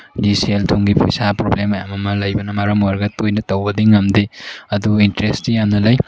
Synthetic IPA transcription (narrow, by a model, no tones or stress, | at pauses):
diseltʰoŋɡipʰo̰jsapɾoblemɐjamɐmɐlɐjbɐnɐmaɾɐmuaɾɡɐtojnɐtɐwbɐdiŋɐmdeɐduintɾestijamnɐlɐj